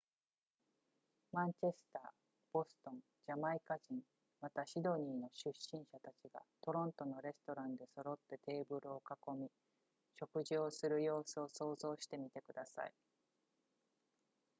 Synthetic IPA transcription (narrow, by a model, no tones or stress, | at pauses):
mãɲ̟t͡ɕe̞sɨ̥t̪aː | b̥o̞sɨ̥t̪õ̞n | d͡ʑamaikaʑĩŋ | mat̪aɕid̪o̞ɲ̟iːno̞ɕɨɕːĩɰ̃ɕat̪at͡ɕiɡa̰t̪o̞ɾõ̞nt̪o̞no̞ɾe̞sɨ̥t̪o̞ɾãnd̪e̞so̞ɾo̞t̪ːe̞t̪e̞ːbɯ̟ɾɯ̟okako̞mʲi | ɕo̞kɯ̟ʑio̞sɨɾɯ̟jo̞ːsɨo̞so̞ːzo̞ːɕi̥t̪e̞mʲit̪e̞kɯ̟d̪asa̰i